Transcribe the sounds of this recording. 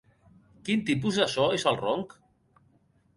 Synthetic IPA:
kint̪ip̬uzðasɔesalˠrɔŋk

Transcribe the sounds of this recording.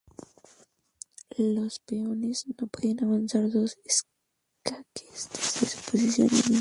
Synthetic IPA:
lospeoneznopweðenaβansaɾðo̞ses | kake̥st̪ezd̪esposisjo̰nḛni

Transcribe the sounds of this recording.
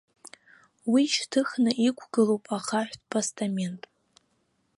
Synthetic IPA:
wiʃtʰɨχnɨʔikʷʰɡɨlowpʼaχaħʷᶣtpʰastʰʼame̞ntʼ

